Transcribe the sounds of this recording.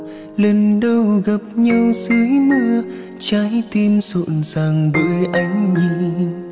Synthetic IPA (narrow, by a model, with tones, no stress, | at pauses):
lə˨˩nɗə˧wɣə˨˩p̚ɲə˧wsɨ˨˦jmɨ˧ə | t͡ɕa˨˦jt̪i˧mso̰˧˨nzaː˨˩ŋɓə̰˧˨jʔa˨˧˦jŋ̟ɲi˧˩